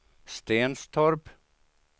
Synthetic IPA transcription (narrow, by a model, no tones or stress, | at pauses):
st̪eːnst̪ʰɔɾp